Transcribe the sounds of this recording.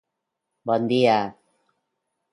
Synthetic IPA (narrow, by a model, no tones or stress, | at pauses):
bʌnd̪ija